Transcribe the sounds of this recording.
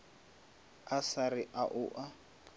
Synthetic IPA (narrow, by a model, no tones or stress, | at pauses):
asarɪʔaʔʊʔa